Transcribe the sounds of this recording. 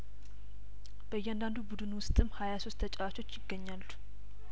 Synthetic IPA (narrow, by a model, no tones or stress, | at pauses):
b̥əjːɛand̪and̪ubud̪ɨnwʊst̪ʼɨmhajaso̞st̪ʰːət͡ʃʼawat͡ʃʰo̞t͡ʃːjɪɡːəɲːalːu̥